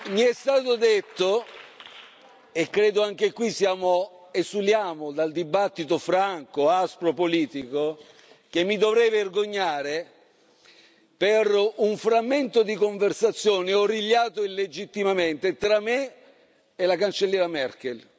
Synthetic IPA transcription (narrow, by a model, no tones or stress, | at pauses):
miɛst̪aːt̪ʊd̪et̪ːo | ekːɾeːd̪ʊaŋk̟ekwisjaːmo | esuljaːmod̪ald̪ibat̪ːit̪ofɾaŋkoaspɾopoliːt̪iko | k̟emːid̪ovɾɛverɡoɲːaːɾe | peruɱfɾamːent̪od̪ikoɱversat̪sːjoːneɔriljaːt̪oilːed͡ʒit̪ːimament̪et̪ɾamːe | elakant͡ʃelːjɛːɾamɛrk̟el